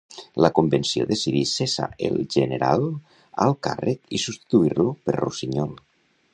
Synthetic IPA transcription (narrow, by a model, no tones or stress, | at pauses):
ləkumbensioðesiðisesa̰elʒeneɾa̰lˠ | alˠkarekisust̪i̥t̪uiɾlupeɾrusiɲɔlˠ